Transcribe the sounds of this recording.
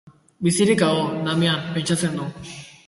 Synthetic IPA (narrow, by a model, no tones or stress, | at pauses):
bisiɾikaɣonameampe̞nt͡ʃat͡se̞nd̪u